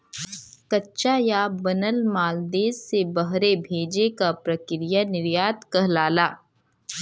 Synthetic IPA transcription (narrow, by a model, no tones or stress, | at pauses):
kɐtːʃajaːbɐnəlmaːld̪eːsːebɐɦɾebʱeːd͡ʒekapɾɐkɾijanɪɾjaːt̪kɐɦlaːlaː